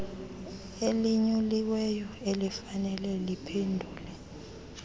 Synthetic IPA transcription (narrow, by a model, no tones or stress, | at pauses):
eliɲuliwɛjɔelifanɛlɛlipʰendʱuːlɛ